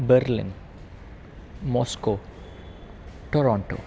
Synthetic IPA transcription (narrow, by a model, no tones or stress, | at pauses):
bəɾlɪ̰̃n | mɔːsko | ʈoɾɔ̃ːɳʈo̰ː